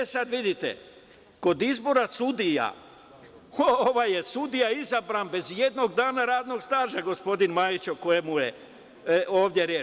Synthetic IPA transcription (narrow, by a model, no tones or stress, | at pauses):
esad̪ʋid̪it̪ḛ | ko̞d̪izbo̞ɾasud̪ija̰ | ooʋaje̞sud̪ijaizabɾanbe̞zje̞d̪no̞ɡd̪aːnaɾaːd̪no̞ɡst̪aːʒaɡo̞spo̞d̪inmaːjit͡ɕoko̞jemuje | o̞ːʋd̪je̞ɾjeː